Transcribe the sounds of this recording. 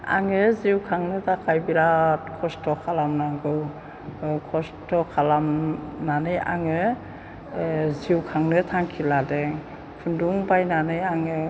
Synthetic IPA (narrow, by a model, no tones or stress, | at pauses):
a̰ŋɯziwkʰaŋnɯtʰakʰajbiɾakʰɔstʰɔkʰalamnaŋɡɯw | kʰɔstɔkʰalamnanɯjʔa̰ŋɯ | ziwkʰaŋnɯtʰaŋkʰiladɛŋ | pʰunduŋbajnanɯjaŋɯ